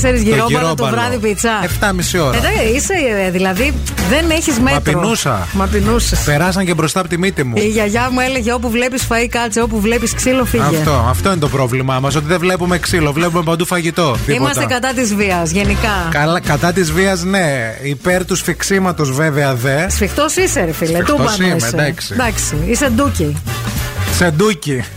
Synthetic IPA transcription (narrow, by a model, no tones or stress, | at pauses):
seɾizʝiɾɾoiɐɾoɐb̪ɐɾɐðipit͡sɐeft̪ɐmisio̞ɾðɐiseðilɐði | ðeneçizmetpinusɐ̰mɐpinusispeɾɐs̬ɐɲcebɾo̞st̪ɐpot̪imit̪imuiʝɐʝɐmueleʝeop̬uvle̞pisfɐikɐt͡sio̞p̬uvlepisksilo̞fiʝɐʝet̪oɐ̰ft̪o̞inet̪o̞pɾo̞vlimɐmɐs̬ot̪iðevle̞pumeksilo̞vle̞pumepɐnd̪ufɐʝit̪o̞ðiiimɐst̪t̪ekɐt̪ɐt̪izviɐsʝe̞nikɐkɐlɐkɐt̪ɐt̪izviɐzneipe̞ɾt̪usfiksimɐt̪o̞zve̞veɐðesfixt̪osiseɾfilet̪uopɐiimed̪ɐksid̪ɐksiised̪uci | se̞d̪uci